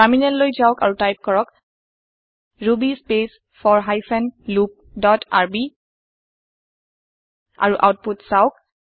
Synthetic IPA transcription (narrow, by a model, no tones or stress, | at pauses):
aɹminɛlːojzaʊka̰ɹutajp̚kɔɹɔk | ɹubispes | fʰɔɹɦajfʰɛnlup̚dɔta̰ɹbi | a̰ɹuʔa̰wt̚putsaʊk̚